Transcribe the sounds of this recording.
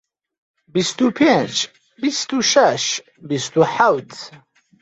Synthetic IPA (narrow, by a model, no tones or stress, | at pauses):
bist̪upʰet͡ʃʰ | bist̪ʰuʃaʃ | bist̪ʰuħawd̪